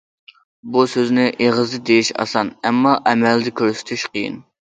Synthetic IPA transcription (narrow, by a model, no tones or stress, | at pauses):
busøznɪʔeʁəzd̪ɨd̪ejiʃɑ̰sɑnɛmːɑʔɛmɛld̪ɪkʲʰøɾsy̥t̪ʰyʃqʰəjɪ̰n